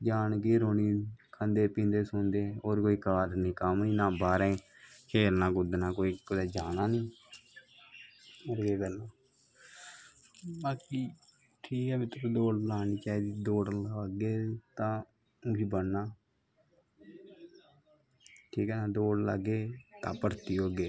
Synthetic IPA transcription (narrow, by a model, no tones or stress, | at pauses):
d͡ʒaːnɡeːɾoːniːkʰənd̪eːpĩːnd̪eːsʊnd̪eːoːɾkoːiːkaːɾnĩːkəmnĩːnãːbaːɾẽː | kʰeːlnãːkʊd̪nãːkoːiːkʊd̪eːd͡ʒaːnaːnĩː | əɾɡeːkəɾnaː | baːkiː | ʈʰiːkɛːbɪt̪ɾoːd̪oːɽlaːniːt͡ʃaːiːd̪iːd̪oːɽɡeːt̪ãː | ʊbiːbənːaː | ʈʰiːkɛːnãːd̪oːɽla̰ɡeːt̪ã̰ːpəɾt̪iːɦoːɡeː